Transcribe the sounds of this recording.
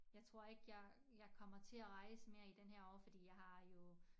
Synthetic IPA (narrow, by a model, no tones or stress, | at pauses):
jɑ̈ɪt͡sʰʁo̝ɐ̰e̝ɡ̥əjɑ̈ɪjɑ̈ɪkʰɒ̽m̰ɐt͡sʰe̝æʁɑ̈ɪsəme̝ːɐid̥enɦeɐ̰ɒʊ̰fɒd̥ḭːjɑ̈ɪhɑ̈jo̝